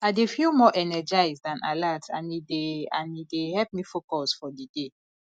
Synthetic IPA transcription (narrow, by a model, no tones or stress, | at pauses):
aɪdefilmɔʔɛnɛd͡ʒaɪzdãnalatã̰nideã̰nidehɛp̚mifokɔsfɔdide